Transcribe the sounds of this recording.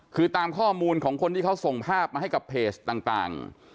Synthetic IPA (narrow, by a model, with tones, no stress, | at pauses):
kʰɯː˧t̪aː˧mkʰɔː˥˩muː˧nkʰɔː˩˦ŋkʰo˧nt̪ʰiː˥˩a˦˥wso˨˩ŋpʰaː˥˩p̚maː˧ɦa˥˩jka˨˩pʰeː˨˩st̪aː˨˩ŋt̪a̰ː˨˩ŋ